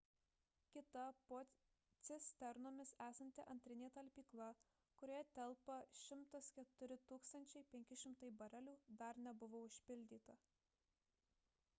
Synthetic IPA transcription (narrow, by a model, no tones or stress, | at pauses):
kʲɪt̪ɐpoː | t̪sʲɪsʲt̪ʲɛɾnoːmʲɪsæːsɐnʲt̪ʲɪʔɐnʲt̪ʲɾʲɪnʲeːt̪ɐlʲpʲiːklˠɐ | kʊɾʲoːjɛt̪ʲɛlˠpɐʃʲɪmt̪ɐskʲɛt̪ʊɾʲɪt̪uːkst̪ɐnʲt͡ʃʲɛɪpʲɛŋʲkʲɪʃʲɪmt̪ɐɪbɐɾɐlʲuːd̪ɐɾnʲɛbʊʋoːʊʃʲpʲɪlʲd̪ʲiːt̪ɐ